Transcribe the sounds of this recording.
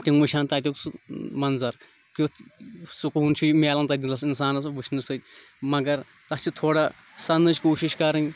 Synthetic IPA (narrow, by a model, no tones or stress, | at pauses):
ʈiŋʋɐʃʰaːnt̪ɐːt̪ʲikt͡smɐnzɐɾ | kusukɦunt͡ʃʰumeːlɐnt̪ɐd̪ʲilɐs̬ins̬aːnɐsʋɨʃʰnɨsɨt̪ʲmɐɡɐɾ | t̪ɐt͡ʃʰit̪ʰoːɽa | sɐnɨt͡ʃʲkoːʃiʃkɐɾɨnʲ